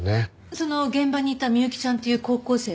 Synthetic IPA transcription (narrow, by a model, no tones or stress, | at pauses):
ne | so̞no̞ɡẽ̞mbaɲ̟iːt̪amʲjɨɯkʲi̥t͡ɕãnt̪e̞jɯ̟ːko̞ːko̞ːse̞ː